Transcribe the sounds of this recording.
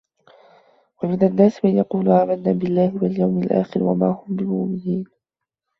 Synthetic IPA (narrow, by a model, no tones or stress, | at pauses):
wamɪd̪anːaːsmanjɑquːlʊʕaːmad̪naːbɪlːaːhɪwaljawmɪlʔa̰ːxɪɾwa̰maːhʊmbɪmaːmɪhiːn